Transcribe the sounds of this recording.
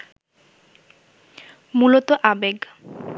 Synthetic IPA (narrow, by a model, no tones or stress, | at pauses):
mulot̪oʔabeɡ